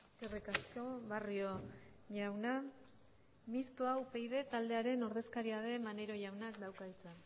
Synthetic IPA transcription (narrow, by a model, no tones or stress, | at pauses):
kerikasko̞βario̞ʝawna | mist̪uawpejðe̞t̪ald̪e̞aɾe̞no̞ɾðe̞skaɾiað̞e̞mane̞ɾo̞ʝawnakd̪awkaðit͡sa